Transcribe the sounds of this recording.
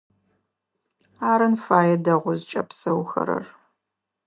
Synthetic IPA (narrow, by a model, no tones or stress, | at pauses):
aːɾɨnfaːjɛdɐʁʷʊzt͡ʃʼɐpsɐwxɐ̰ɾɐ̰r